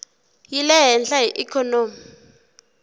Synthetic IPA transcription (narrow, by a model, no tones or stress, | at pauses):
jilɛɦɛnɬaɦiʔikʰɔnoːmi